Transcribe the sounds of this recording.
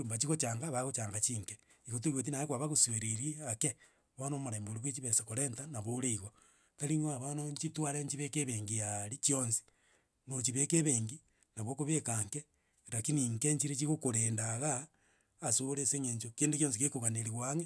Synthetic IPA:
mbat͡ʃiɣot͡ʃaːŋɡaβaɣot͡ʃaːŋɡat͡ʃiŋke | iɣot̬uiɣot̬inaekwaβaɣoseɾeɾeake | βanomoɾeːmboɾiβwet͡ʃiβesekoɾentanaβoɾeiɣo | taɾiŋaβanoɲt͡ʃitwaɾeɲt͡ʃiβekeβeːŋɡijaɾit͡ʃionsi̥ | not͡ʃiβekeβeːŋɡi | naβwokoβekaŋke | ɾakiniŋkeɲt͡ʃiɾet͡ʃiɣokoɾendaɣaː | soɾeseŋeɲt͡ʃokeːndukjonsikekoɣaneɾiɣwaŋe

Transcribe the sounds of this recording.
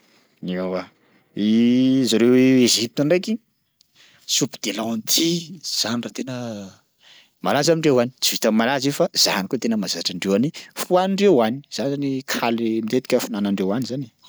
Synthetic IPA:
neawa | izaɾeweezip̚t̪ənrejki | supid̪elant̪ʰiz̥anirat̪enə | malazamiɳɖ͡ʐewani̥t͡sivit̪ammalazefaz̥a̰nikot̪enəmazaʈ͡ʂaɳɖ͡ʐewanifuanɳɖ͡ʐewani̥z̥anzanikʰalimit̪et̪i̥kʲəfunanaɳɖ͡ʐewanizani̥

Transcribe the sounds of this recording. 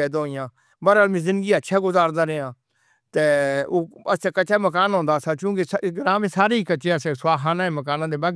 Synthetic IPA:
ɛːd̪õːɪjãː | bəɾaːlmĩːzɪ̃nd̪ɡiːətːʃʰaːɡʊzaːɾd̪aːɾɪãː | t̪eːoːəst͡ʃaːkət͡ʃaːməkaːnɦõːnd̪aːsaːt͡ʃũːkesɡɾãːmẽːsaːɾeːiːkət͡ʃeːəseːsaːɦaːnãːẽməkaːnãːd̪eːbaɡ

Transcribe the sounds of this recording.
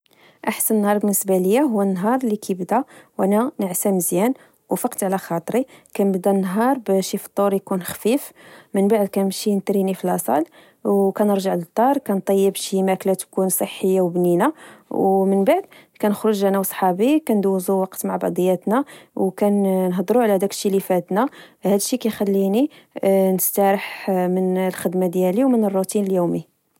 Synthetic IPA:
ʔaħsənənːhɑɾˤbənːəsbæləjːaɦuwːænːɦɑɾˤlikʰibd̪æwʔænænəʕsæməzjæn | wfɑqt̪ʕlæxɑt̪ˤɾikænbd̪ænːɦɑɾˤbæʃift̪ˤːoɾjkunxfifmənbaʕd̪̚kænəmʃint̪ɾinifilɑsˤɑ̰l | wkænəɾʒaʕlət̪ˤːɑɾˤkænt̪ˤɑjːəbʃimæklæt̪kunsˤəħːəjːawbninawmənbaʕd̪kænəxɾʊʒlænæwsˤħɑbikænd̪wzuwɑqt̪maʕbɑʕd̪ˤəjːæt̪næwkænnɦd̪ˤɾuʕlæd̪ækə̥ʃːilifæt̪nahæd̪əʃːikæjxælːini | nəst̪æɾəħmənlxəd̪mad̪jæliwmənərˤːut̪inəljumi

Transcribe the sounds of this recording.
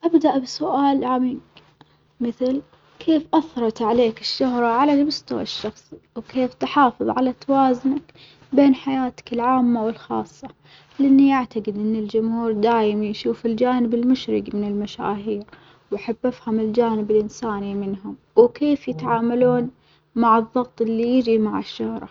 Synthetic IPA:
ʔabd̪aʔbɪsʊʔaːlʕamiːɡ | mɪθl | kʰeːfʔɑθɾˤɑt̪ʕaleːkɪʃːʊhɾˤɑʕalanabʊst̪awa̰ʃːɑxsˤiwkeːft̪ɪħɑːfɨðˤʕalat̪awaːznak | beːnħajaːt̪ḁkɪlʕaːmːawɪlxɑ̰ːsˤːɑ | lʔɪnːijaʕt̪aɡɪd̪ʔɪnːɪld͡ʒʊmhuːɾd̪aːjɪmajʃuːfɪld͡ʒaːnɪbɪlmʊʃɾɪɡmɪnɪlmaʃa̰ːɦiːɾ | wʔaħabːafhʊmɪld͡ʒaːnɪbɪlʔɪnsaːnimɪnɦʊm | wkeːfjɪt̪ʕaːmaluːn | maʕɨðˤːɑɣt̪ˤʔɪlːijɪd͡ʒimaʕɪʃːʊhɾˤɑ̰

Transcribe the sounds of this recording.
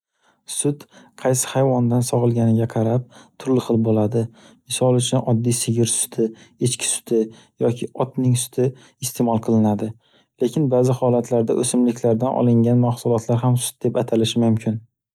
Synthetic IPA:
sʊt̪qʰɑjsɪ̥hajvɒnd̪ansɒʁɨlˠɡʲanɪɡʲaqʰɑɾap̚t̪ʰʊɾlɪχɨlˠbolad̪ɪ | mɪsɒlˠʊt͡ʃʰʊnɒd̪ːijsɪɡʲɪɾsʊ̥t̪ʰɪet͡ʃkʲʰɪ̥sʊ̥t̪ʰɪ | jɒkʲʰɪɒt̪nɪŋsʊ̥t̪ʰɪ | ɪst̪ʰemɒlˠqʰɨlˠɪnad̪ɪ | lekʲɪnbaːzɪhɒlat̪ʰlaɾd̪a̰ʔɵsɪmlɪkʲlaɾd̪anʔɒ̰lˠɪŋɡʲanmaχsʊlˠɒt̪ʰlaɾɦamsʊ̥t̪̚d̪e̞pat̪ʰalɪʃɪmʊmkʲʰɪn

